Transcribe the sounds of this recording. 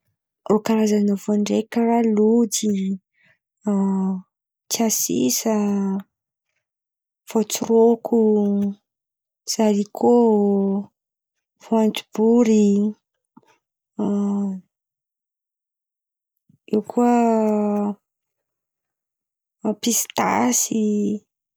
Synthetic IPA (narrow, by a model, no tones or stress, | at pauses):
okaɾazanovoɳɖ͡ʐekəralud̪i | t͡siasḭsə | v̥ot͡surokʰu | z̥aɾikʰo | voand͡ʒib̥uɾi | iwkʰuə | pisi̥t̪a̰si